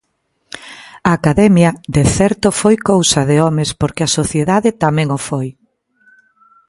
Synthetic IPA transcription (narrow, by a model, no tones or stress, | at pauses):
ɐːkaðɛmjɐðeθɛɾt̪ʊfojkowsɐðɪɔmɪspoɾkeɪɐsoθjeðaðɪt̪amɛ̃ŋofoj